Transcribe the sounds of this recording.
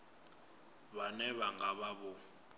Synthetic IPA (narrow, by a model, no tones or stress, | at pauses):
βanɛβaŋɡaɓaɓɔ